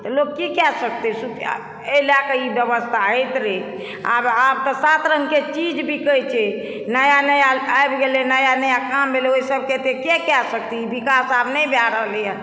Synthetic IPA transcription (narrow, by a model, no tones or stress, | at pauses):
t̪ɔloɡkikɛsək̚t̪ɛsuk | əlakəibjəbəst̪ʰaɦəjt̪ɾe | a̰bab̚t̪ɔsat̪ɾəŋket͡ʃid͡ʒbʱikət͡ʃe | nəjanəjaajbɡelɛnəjanəjakambeleoisəb̚ket̪ekɛkɛsək̚t̪iibikasabnəjbjaɾəɦlɛjə